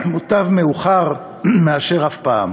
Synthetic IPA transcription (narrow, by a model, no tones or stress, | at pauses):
mutavmeuχaʁ | meaʃe̞ʁafpaːm